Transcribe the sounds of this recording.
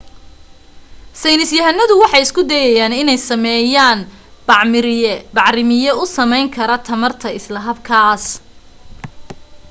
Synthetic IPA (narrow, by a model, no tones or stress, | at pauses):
sɛjnɪsjɐɦɐnɐðʊwɑħɑjɪskʰʊd̪ɛːjɛjaːnɪnɛjsɐmɛːjaːn | b̥ɑʕmɪɾɪjɛbɑʕɾɪmɪjɛʊsɐmɛjŋkʰɐɾɐt̪ʰɐmɐrt̪ʰɐɪslɐɦɐbkʰaːs